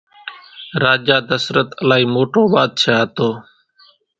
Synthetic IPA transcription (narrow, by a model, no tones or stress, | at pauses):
ɾaːd͡ʒaːd̪əsɾət̪əlaːiːmoːʈoːbaːd̪̚t͡ʃʰaːt̪oː